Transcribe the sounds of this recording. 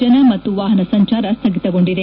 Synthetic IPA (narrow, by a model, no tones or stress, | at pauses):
ɐnɐmɐt̪ːuʋaːɦɐnɐsɐɲt͡ʃaːɾɐst̪ʰɐɡit̪ɐɡo̞ɳɖid̪e